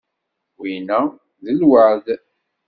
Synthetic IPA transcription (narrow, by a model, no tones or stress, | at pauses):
winæ | ðəlwaʕð